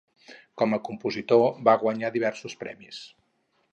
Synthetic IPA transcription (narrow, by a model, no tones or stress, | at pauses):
kɔməkumpuzit̪oβaɣwəɲaðiβ̞ɛrsuspɾɛ̰mis